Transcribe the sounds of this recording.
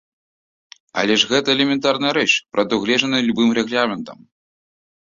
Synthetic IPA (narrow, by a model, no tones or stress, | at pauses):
ɐ̰lʲɛʐɣɛt̪ɐɛlʲɛmʲɛnt̪arnɐjɐɾɛt͡ʂpɾɐd̪uɣlʲɛʐɐnɨjlʲubɨmɾɛɣlʲamʲɛnt̪ɐm